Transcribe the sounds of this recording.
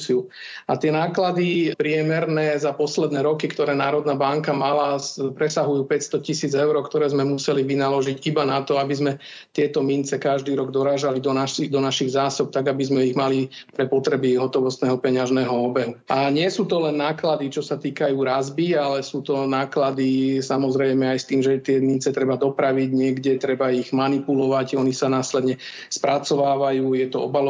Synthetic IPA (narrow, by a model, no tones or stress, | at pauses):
siu | at̪ɪɛnaːklad̪ipɾɪɛmɛɾnɛːzapɔslɛd̪nɛːɾɔkikt̪ɔɾɛːnaːɾɔd̪nabaŋkamalaspɾɛsaɦujuːpɛcst̪ɔcisiːd͡zɛʊɾɔːkt̪ɔɾɛːzmɛmusɛliʋinalɔʒiɟibanat̪ɔabizmɛ | t̪ɪɛt̪ɔmint͡sɛkaʒd̪iːɾɔɡd̪ɔɾaːʒalid̪ɔnaʃid̪ɔnaʃiɣzaːsɔp̚t̪aɡabizmɛiɣmalipɾɛpɔt̪ɾɛbiɦɔt̪ɔʋɔst̪nɛːɦɔpɛɲaʒnɛːɦɔɔbɛɦuʔaɲɪɛsuːt̪ɔlɛnːaːklad̪it͡ʃɔsat̪iːkajuːɾazbialɛsuːt̪ɔnaːklad̪isamɔzɾɛjmɛajst̪iːmʒɛt̪ɪɛmint͡sɛt̪ɾɛbad̪ɔpɾaʋiɟɲɪɛɡɟɛt̪ɾɛbaiɣmanipulɔʋaɟɔnisanaːslɛd̪ɲɛ | spɾʔat͡sɔʋaːʋajuːjɛt̪ɔɔbalɔ